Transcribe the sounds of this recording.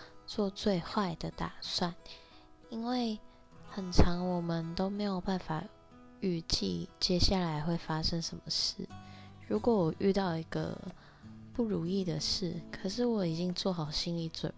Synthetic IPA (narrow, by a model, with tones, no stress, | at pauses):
t͡swɔ˥˧t͡swe˥˧ɪxwa˥˩ɪd̪ə˩t̪a̰˨˩swa˥˨n | i˦˥nwe˥˩ɪ | xə˨˩nʈ͡ʂʰɑ˧˦ŋwɔ˨˩mə˨nt̪o˥ʊme˧˥ɪjo˨˩ʊpa˥˩nfa˨˩ | y˥˧t͡ɕḭ˥˧t͡ɕjɛ˦ɕja˥˩la˧˦ɪxwe˥˩ɪfa˦ʂə˦ŋʂə˧˦nmə˨ʂɻ̩˥˩ɻu˧˥kwɔ˧˦wɔ˨˩ʔy˥˧t̪ɑ˥˩ʊi˧˥ɡə̰˧ | pu˥˩ɻu˨˥i˥˩d̪ə˨ʂɻ̩˥˩kʰə˨˩ʂɻ̩˥˨wɔ˨˧˥i˨˩t͡ɕi˦˥ŋt͡swɔ˥˩xɑ˨˩ʊɕi˥nli˨˩t͡swə̰˨˩n